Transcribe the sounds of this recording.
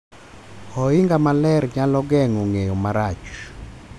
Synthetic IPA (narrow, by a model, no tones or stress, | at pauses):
ɔɪŋɡamalɛrɲalɔɡɛŋoŋejomaɾat͡ʃ